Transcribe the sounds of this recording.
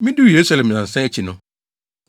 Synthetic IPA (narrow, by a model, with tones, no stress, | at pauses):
mɪ̃˦du˦˨je˨ɾu˦sa˨lɛ̃˨m˨ã˨n̩˨sɛ̃˦ɛ˦t͡ɕʰi˨nʊ̃˨